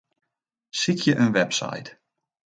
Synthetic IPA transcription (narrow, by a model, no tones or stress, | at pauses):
sikʰjəʔənʋɛpsa̰jt